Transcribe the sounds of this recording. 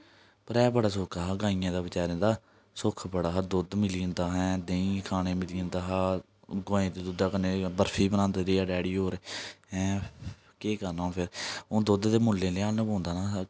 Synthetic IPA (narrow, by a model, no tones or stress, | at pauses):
pəɾɛːbəɽaːs̬ʊkʰaːɦaːɡãːiːjãːd̪aːʋɪt͡ʃaːɾẽːd̪aː | sʊkʰbəɽaːɦad̪ʊd̪mɪliə̃nd̪aːɦɛ̃ːd̪ẽĩːkʰaːɽ̃eːmɪliə̃nd̪aːɦaː | ɡõːẽːt̪eːd̪ʊd̪aːkəneːbəɾfʰiːbənãːnd̪eːɾiːaːɖɛːɽiːɦoːɾeːɛ̃ː | keːkəɾnãːpʰɪɾõːd̪ʊd̪d̪eːmʊlːẽːleːãːnnə̃põːnd̪aːnaː